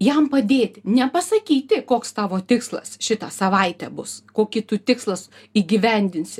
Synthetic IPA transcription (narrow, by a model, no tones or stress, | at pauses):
jɛmpɐd̪ʲeːt̪ʲɪnʲɛpɐsɐkʲiːt̪ʲɪkoːkst̪ɑːʋoːt̪ʲɪkslˠɐ̰sʃʲɪt̪ɑsɐʋɐɪt̪ʲɛbʊskoːkʲɪt̪ʊt̪ʲɪkslˠɐsiːɡʲiʋʲɛnʲd̪ʲɪnʲsʲɪ